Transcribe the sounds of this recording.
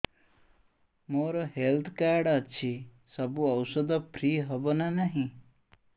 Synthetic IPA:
moɾɔɦelt̪ʰkaɾɖʌt͡ʃʰi | sʌbuʌwsɔd̪ɔpʰɾiɦɔbɔnanaɦĩ

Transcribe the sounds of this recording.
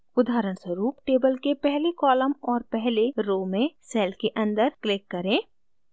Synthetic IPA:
ʊd̪ʱaːɾəɳswəɾuːp̚ʈeːbəlkepɛɦlekɔːləmɔːɾpɛɦleɾoːmẽsɛːlkeʔɐ̃nd̪əɾklɪkːɐɾẽː

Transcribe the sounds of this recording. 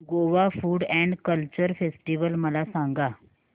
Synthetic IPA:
ɡoʋafuːɽɛ̃ɳɖkəlt͡ɕəɾfesʈiʋəlməlasãŋɡa

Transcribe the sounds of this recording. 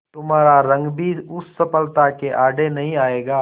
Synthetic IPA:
t̪ʊmɦaːɾaɾɐ̃ŋɡbiːɾʊsːɐpəlt̪akeʔaːɖenɐɦĩaːeːɡaː

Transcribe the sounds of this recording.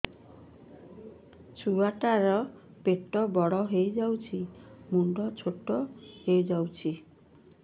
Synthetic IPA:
t͡ʃʰuaʈaɾɔ | peʈɔbɔɽɔɦejd͡ʒawt͡ʃʰimuɳɖɔt͡ʃʰoʈɔhejd͡ʒawt͡ʃʰi

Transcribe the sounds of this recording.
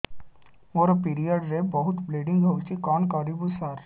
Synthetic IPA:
moɾɔpiɾijaɖɾebɔɦut̪bleɖiŋɡʱəwt͡ʃikɔnkɔɾibusaɾ

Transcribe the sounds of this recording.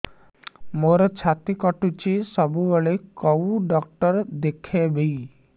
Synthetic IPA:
moɾɔt͡ʃʰat̪ikɔʈut͡ʃʰisɔbubɔɭekɔwɖɔk̚ʈɔɾd̪ekʰebej

